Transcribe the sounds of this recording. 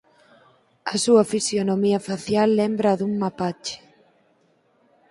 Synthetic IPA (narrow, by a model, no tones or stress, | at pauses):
ɐsuɐfisjonomiɐfaθjalːembɾɐðuŋmapat͡ʃɪ̥